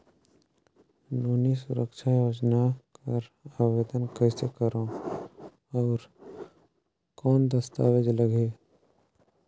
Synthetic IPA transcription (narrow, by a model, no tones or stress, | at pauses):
noːnisʊɾəkʃʰajoːd͡ʒnakɐɾaːʋed̪ənkɛːsekəɾõ | ɔːɾ | kɔːnd̪əst̪a̰ːʋed͡ʒləɡeː